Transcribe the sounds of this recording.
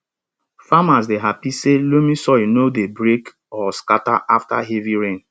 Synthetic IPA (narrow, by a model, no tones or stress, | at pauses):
famas̬deɦapiselomĩsɔjnodebɾek | ɔskataʔafta̰ɦeviɹẽn